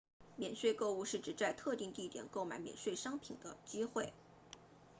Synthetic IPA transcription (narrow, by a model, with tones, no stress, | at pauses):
mjɛ˨˩nʂwe˥˧ɪko˥˧ʊu˥˧ʂɻ̩˥˩ʈ͡ʂɻ̩˨˩t͡sa˥˧ɪt̪ʰɤ˥˧t̪i˥˧ŋt̪i˥˩t̪jɛ̰˨˩˦nko˥˩ʊma˨˧˥ɪmjɛ̰˨˩nʂwe˥˩ɪʂɑ˥ŋpʰi˨˩ŋd̪ə˦t͡ɕi˥xwe˥˩ɪ